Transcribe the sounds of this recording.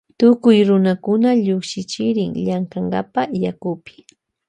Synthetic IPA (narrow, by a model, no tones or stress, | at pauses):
t̪ʊkʊjɾʊnakʊnaʎʊkʃɪt͡ʃɪɾɪŋʎaŋkaŋɡa̰pajakʊpɪ̥